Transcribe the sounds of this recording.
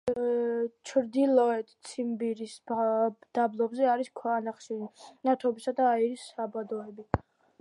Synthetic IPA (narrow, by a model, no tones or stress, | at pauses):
t͡ʃʰɾd̪ilɔɛt̪t̪sʰimbiɾisbd̪̥ablˠɔbzɛaɾiskʰwanaχʃinat̪ʰɔbisad̪aːiɾisːabad̪ɔɛbi